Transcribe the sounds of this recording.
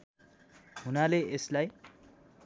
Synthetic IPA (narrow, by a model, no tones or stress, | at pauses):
ɦunaleeslaj